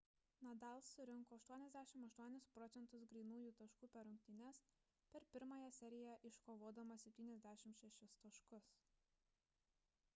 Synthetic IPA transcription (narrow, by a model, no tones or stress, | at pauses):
nɐd̪ɑˑlˠsːʊɾʲɪŋˑkoːɐʃt̪uɔnʲɛzʲd̪ʲæːʃʲɪmɐʃt̪uɔnʲɪspɾɔt̪sʲɛnt̪ʊs̬ɡɾɛɪnuːjuːt̪ɐʃkuːpʲɛɾʊŋʲk̚t̪ʲɪnʲɛs | pʲɛɾpʲɪɾmɑːjɛsʲɛɾʲɪjɛʔɪʃkoːʋoːd̪ɐmɐsʲɛp̚ʲt̪ʲiːnʲɛzʲd̪ʲæːʃʲɪmʃʲɛʃʲɪst̪ɐʃkʊs